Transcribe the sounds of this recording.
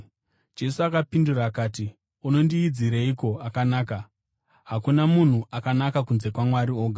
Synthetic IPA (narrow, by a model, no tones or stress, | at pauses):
d͡ʒe̞suakapinduraːkaːti | uno̞ndiːd͡ziɾeiko̞akanaːka | ɦakunamun̤uʔakanakakunze̞kwamwaɾio̞ːɡʱa